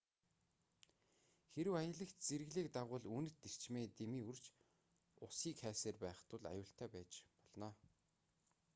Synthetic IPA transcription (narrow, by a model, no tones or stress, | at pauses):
xeɾɘ̆wajə̆ɮə̆kt̪t͡seɾ̆ɣɮiːkt̪aʁʊːɮuːnɘ̆t̪ːer̥t͡ɕmeːt̪emiːurt͡ɕ | ʊsiːkχæːseːrpæːχt̪ʊ̆ɮa̰jʊːɬt̪ʰæːpæːt͡ɕpɔɮnɔː